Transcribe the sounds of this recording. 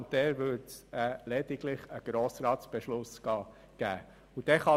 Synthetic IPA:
ntd̥̪ɛːɾʋøɾtsɛlɛd̪iɡ̥lɪχəɡ̥ɾoːsɾɑːtsb̥ɛʃlʊsɡ̥ɑː | ɡ̥æ̰ː | ud̥̪ɛχɑ

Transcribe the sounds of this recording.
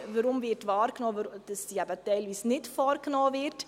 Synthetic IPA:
vəɾʊmvɪɾtvɑːɾknɔːəd̥əsːiːæbətɛɪlviːsnɪtfɔːɾknɔːvɪɾt

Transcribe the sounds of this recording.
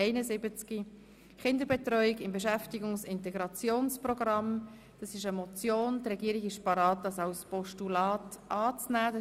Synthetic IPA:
ɛɪnəzɪbət͡ski | χɪndəɾbɛtrɔʏiɡɪmbeʃæftiɡʊŋsɪntɛɡɾɑt͡sjoːnsprɔɡʁɑm | d̥ɑsɪʃəmɔt͡sjoːndɾɛɡiəɾɪɡɪʃpɑɾɑːt̚d̥ɑsɑʊspɔʃtulɑːtʔɑːt͡snæːd

